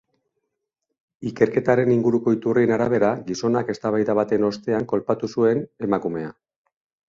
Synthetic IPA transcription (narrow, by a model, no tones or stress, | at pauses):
ike̞ɾke̞t̪aɾe̞niŋɡuɾuko̞it̪urienaɾaβ̞e̞ɾaɡiso̞nake̞st̪aβajðaβat̪e̞no̞st̪e̞aŋko̞lpat̪usue̞ne̞makume̞a